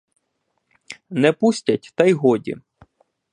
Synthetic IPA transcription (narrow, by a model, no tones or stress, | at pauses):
nɛpusʲtʲɐtʲt̪ɐjɦɔdʲḭ